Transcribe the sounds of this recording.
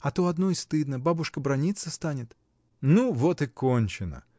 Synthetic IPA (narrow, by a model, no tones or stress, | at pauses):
ɐt̪oɐd̪nojst̪ɨd̪nəbabʊʂkəbɾɐnʲit̪səst̪anʲɪt̪ | nuvot̪ɨkonʲt͡ɕɪnə̰